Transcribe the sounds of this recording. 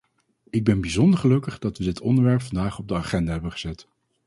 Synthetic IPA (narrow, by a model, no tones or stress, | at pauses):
ɪɡ̚bɛnbizɔndəɹχəlɵkəχdɑtʋədɪtɔndəɹʋɛɹpfɑndaːχɔb̚dəaːχɛndaːɦɛbənχəzɛt